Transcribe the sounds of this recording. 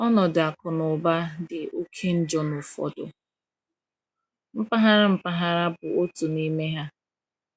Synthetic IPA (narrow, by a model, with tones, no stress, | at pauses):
ɔ˦nɔ˨da˨kʊ˨nʊ˨ba˦dɪ˨ʔo˦kʰe˦n̩˦d͡ʒɔ˦nʊ˨fɔ̰˨dʊ̰˨ | m̩˦pa˦ɦa˦ɾa˦m̩˦pa˦ɦa˦ɾa˦bʊ˨o˦tʊ˨ni˦me˦ɦa˦